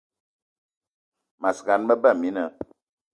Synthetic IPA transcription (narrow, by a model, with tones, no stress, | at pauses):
ma˨sɡa˨nmə˦bə˦˨mi˨˦nə˨